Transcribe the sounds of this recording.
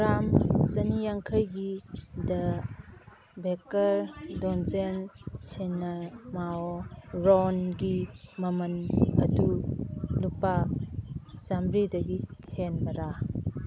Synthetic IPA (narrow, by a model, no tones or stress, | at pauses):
ɾamzɐnijaŋkʰɐjɡidɐ | bekɐɾdɔnzensinːɐmaoɾɔnɡimɐmɐnɐdulupa | zamɾidɐɡihʰenbɐɾa